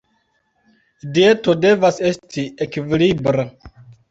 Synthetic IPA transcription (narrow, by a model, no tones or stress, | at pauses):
die̞tode̞vase̞stʰiekivilibɾa